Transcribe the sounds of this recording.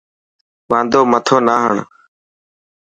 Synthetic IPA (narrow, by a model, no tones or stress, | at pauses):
ʋãːnd̪ʱoːmət̪ʰoːnaːɦəɳ